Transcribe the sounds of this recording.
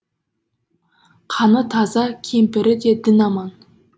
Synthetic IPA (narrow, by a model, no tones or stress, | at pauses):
qʰɑnət̪ʰɑzɑkʲʰempɪɾɪd̪e̞d̪ɪnɑmɑn